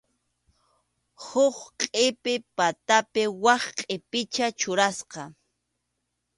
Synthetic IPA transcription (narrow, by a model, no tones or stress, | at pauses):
hʊχqʼɪpɪpat̪apɪwɑχqʼɪpɪt͡ʃat͡ʃʊɾasqɑ